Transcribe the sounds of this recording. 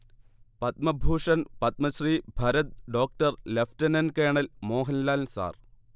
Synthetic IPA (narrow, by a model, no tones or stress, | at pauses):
pɐt̪̚mɐbʱuːʂɐnpɐt̪̚mɐɕriːbʱɐɾɐt̪̚ɖo̞ːk̚ʈɐrleftɐnɐnkeːɳɐlmoːɦɐnlaːlnsa̰ːr